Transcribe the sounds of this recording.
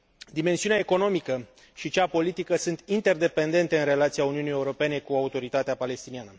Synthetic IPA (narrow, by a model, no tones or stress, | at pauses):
d̪ime̞nsiuneaeko̞no̞mikə | ʃit͡ʃapo̞lit̪ikəsunt̪int̪e̞rd̪e̞pe̞nd̪e̞nt̪eɨnre̞lat̪siauniunije̞uɾo̞pe̞ne̞kuaut̪o̞ɾit̪at̪eapale̞st̪inianə